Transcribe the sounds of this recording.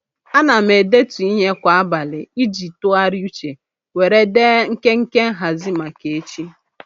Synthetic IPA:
a˦na˨me˨de˦tu˨i˦ɲe˦kʷa˨a˦ba˨lɪ˨i˦d͡ʒi˨tʊ˦a˦ɾju˦t͡ʃe˨ | we˨ɾe˦de˦ŋ̩˦ke˦ŋ̩˦ke˦ŋ̩˦ɦa˨zi˦ma˨ke˨e˦t͡ʃi˦

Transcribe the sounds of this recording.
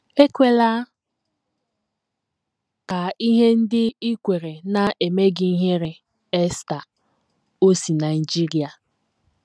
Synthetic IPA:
e˦kʷe˦la˦ | ka˨i˦ɦe˦n̩˦dɪ˦i˦kʷe˨ɾe˨na˨ʔe˨me˦ɡi˦i˦ɦe˦ɾe˦ | e˦sta˨ | o˦si˨na˨ɪ˨d͡ʒi˦ɾi˨a˨

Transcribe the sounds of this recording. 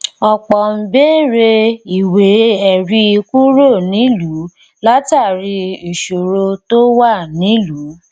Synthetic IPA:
ɔ˧k͡pɔ˨m̩˨be˦ɾe˧i˨we˨˦ɛ˨ɾi˧i˧ku˦ɾo˦˨nĩ˨˦lu˨˦ | la˦ta˦˨ɾi˧e˨ʃo˨ɾo˧to˦wa˦˨nĩ˨˦lu˨˦

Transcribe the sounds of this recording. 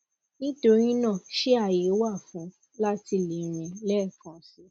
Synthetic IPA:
nĩ˦to˧ɾĩ˦nã˦˨ʃe˦a˦˨je˨˦wa˦˨fũ˨˦ | la˦ti˧le˨˦ɾ̃ĩ˧lɛ˦˨kã˨si˨˦

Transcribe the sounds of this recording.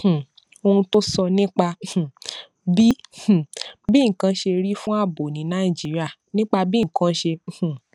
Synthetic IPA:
h̩˨ | o˧hũ˧to˦sɔ˧nĩ˦k͡pã˧˨ | bĩ˦˨ | bi˦ŋ̩˨kã˧˦ʃe˧ɾi˦fũ˦a˦˨bo˨nĩ˨˦nã˦i˦˨d͡ʒi˨˦ɾi˦a˦˨ | nĩ˦k͡pa˧bĩ˦˨kã˧˦ʃẽ˧˨

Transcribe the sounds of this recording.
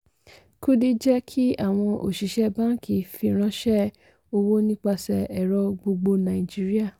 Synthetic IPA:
ku˦di˦d͡ʒɛ˦kʰi˦a˦˨w̃ɔ̃˧ʔo̰˨ʃi˨˦ʃɛ˦bã˦ki˨˦fi˧ɾ̃ã˧˦ʃɛ˦ | o˧wo˦nĩ˦k͡pa˧sɛ˨ɛ˨ɾɔ˧ɡ͡bo˧ɡ͡bo˧nã˨i˨d͡ʒi˦ɾi˦a˦˨

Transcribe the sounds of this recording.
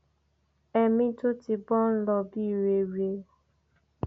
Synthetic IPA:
ɛ˧mĩ˧to˦ti˧bɔ˦n̩˦lɔ˧bi˦˨ɾe˨ɾe˧˨

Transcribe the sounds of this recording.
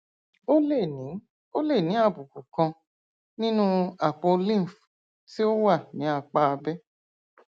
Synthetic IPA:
o˦le˦˨nĩ˨˦ | o˦le˦˨nĩ˨˦a˦˨bu˨ku˨kã˧ | nĩ˦nũ˦a˨k͡pɔ˧lĩ˦˨f | ti˦o˦wa˦˨nĩ˨˦a˧˨k͡pa˦a˧bɛ˦

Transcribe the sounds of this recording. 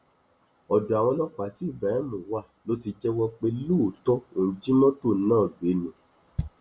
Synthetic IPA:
ɔ˨du˨a˨w̃ɔ̃˧lɔ˦k͡pa˨˦ti˦˨ba˨ɛ˦mũ˨wa˦˨lo˦ti˧d͡ʒɛ˦wɔ˦k͡pe˦lu˦˨tɔ˦õ˨˦d͡ʒi˦nɔ̃˦to˦˨˦nãː˦˨be˨˦nũ˨

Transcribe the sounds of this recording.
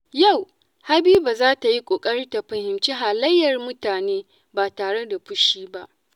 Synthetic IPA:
ja˦˨w | ha˦biː˦baː˨zaː˦ta˨ji˦kʷʼoː˨kʼɐ˦ɽi˦ta˨ɸɐ˨hɪ˨mt͡ʃiː˦ɦa˨lɐ˦jːɐ˨rmʊ˦taː˨neː˦ | baː˨taː˨ɽe˦da˨ɸʊ˦ʃiː˦ba˦ʔ

